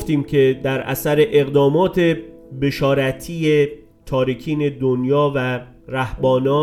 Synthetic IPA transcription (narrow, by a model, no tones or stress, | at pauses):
ft̪iːmkʰe̞d̪æɾʔæ̰sæɾeʔeɣd̪ɒːmɒːt̪ʰe̞ | be̞ʃɒːɾæt̪ʰiːje | t̪ʰɒːɾikʰiːne̞d̪onjɒːvæ | ɾæhbɒːnɒː